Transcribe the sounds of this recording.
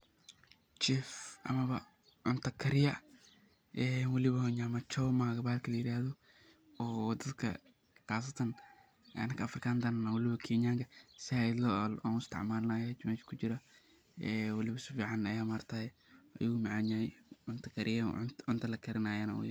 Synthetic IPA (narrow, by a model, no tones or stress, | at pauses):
t͡ʃɛfʔɐ̰mɐβɐ | ʕʊnt̪ʰɐkʰɐɾɪjɐ | ʔɛːnwɐlɪβɐhɔɲamɐt͡ʃɔwmaːɡɐbaːlkʰɐlɐjɪɾaːðɔ | ɔːd̪ɐd̪kʰɐ̰ | qaːs̬ɐt̪ʰɐn | ɐ̰nɐkʰɐːfrɪkʰaːnd̪ɐnnawɐlɪβɐkʰiːɲaːŋkʰɐsɪaɪdlɐla̰ːnɪst̪ʰɪ̰ʕmaːlnaːjat͡ʃɪmat͡ʃkʰʊt͡ʃɪɾɐ | ɛːwɐlɪβɐsʊfiːʕanɐjaːmaɾt̪ʰaːjɛɐ̰jumaʕaɲaːʕʊnt̪ʰɐkʰɐɾʔɪjɐ̰ʊnt̪ʰɐlɐkʰɐɾɪnaːjanɐw̰j